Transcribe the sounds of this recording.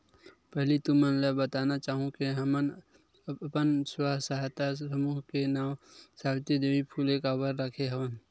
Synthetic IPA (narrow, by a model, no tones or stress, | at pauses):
pɛɦlit̪ʊmənləbət̪aːnat͡ʃaːɦũkeɦəmən | pənswaɦsaɦjt̪asəmuːɦkenaːwsaːwɪt̪jəd̪eʋipʰuːlekawəɾːəkʰeɦəʋən